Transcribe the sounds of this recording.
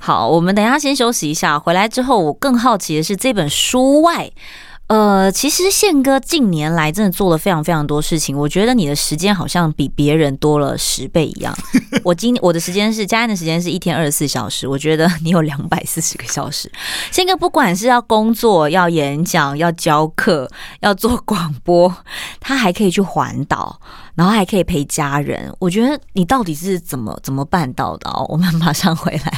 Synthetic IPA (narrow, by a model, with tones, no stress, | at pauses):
xɑ˨˩˦ʊwʔɔ˨˩mə˦nt̪ə˨˩jʰa˥˩ɕ̬jɛ˥nɕjo˧˥ʊɕi˨i˧˥ɕja˥˩xwe˧˥ɪla˧˥ɪʈ͡ʂɻ̩˥xo˥˩ʊwɔ˨˩kɤ˥˧ŋxɑ˥˩ʊt͡ɕʰi˧˥d̪ə˨˦ʂɻ̩˥˧ʈ͡ʂɤ˥˩i˥˩pə˨˩nʂu˥wa˥˩ɪ | ə˧˩t͡ɕʰi˧˥ʂɻ̩˧˦ɕjɛ˥˩ŋkɤ˥t͡ɕi˥˩ŋnjɛ˧˥nla˧˥ɪʈ͡ʂə˥nə˩t͡swɔ˥˩d̪ə˩fe˥ɪʈ͡ʂʰɑ˧˥ŋfe˥ɪʈ͡ʂʰɑ˧˥ŋt̪wɔ˥ʂɻ̩˥˩t͡ɕʰi˨˩ŋwɔ˨˩t͡ɕɥɛ˧˥d̪ə˧ni˨˩d̪ə˦ʂɻ̩˧˥t͡ɕjɛ˥nxɑ˨˩ʊɕjɑ˥˩ŋpi˨˩pjɛ˧˥ɻə˧˥nt̪wɔ˥lə̰˨ʂɻ̩˧˥pe˥˩ɪʔḭ˧˥jɑ̰˥˩ŋwʔɔ˨˩t͡ɕi˥nwɔ˨˩d̪ə˦ʂɻ̩˧˥t͡ɕjɛ˥nʂ̬ɻ̩˥˩t͡ɕja˥a˥nd̪ə˩ʂɻ̩˧˥t͡ɕjɛ˥nʂɻ̩˥˧i˥t̪ʰjɛ˥nə˞˥˩ʂsɹ̩˥˩ɕjɑ̰˨˩ʊʂɻ̩˧˥wɔ˨˩t͡ɕɥɛ˧˥d̪ə˧ni˧˥jo˨˩ʊljɑ˧˥ŋpa˨˩ɪsɹ̩˥˩ʂɻ̩˧˥ɡə˧ɕjɑ˨˩ʊʂɻ̩˧˦ɕŋka˥pu˥˩kwa˨˩nʂ̬ɻ̩˥˧jɑ˥˩ʊkʊ˥ŋt͡swɔ˥˩jɑ˥˩ʊjɛ˧˦˥nɕjɑ˨˩ŋjɑ˥˩ʊt͡ɕjɑ˥ʊkʰɤ˥˩jɑ˥˧ʊt͡swɔ˥˩kwɑ˨˩ŋpwɔ˥t̪ʰa˥xa˧˥ɪkʰɤ˧˥i˨˩t͡ɕʰy˥˩xwa̰˧˥nt̪ɑ̰˨˩ʊna˨˧˥nxo˥˩ʊxa˧˥ɪkʰi˨˩pʰe˥˩ɪt͡ɕja˥ɻə̰˧˥nwʔɔ˨˩t͡ɕɥɛ˧˥d̪ə˧ni˨˩t̪ɑ˥˩ʊt̪i˨˩ʂɻ̩˥˩t͡sə˨˩nmə̰˦t͡sə˨˩nmə˩pa˥˧nt̪ɑ̰˥˩ʊd̪ə̰˩˦wʔɔ̰˨˩mə˩nma˨˩ʂɑ˥˩ŋxwe˧˥ɪla˧˦ɪ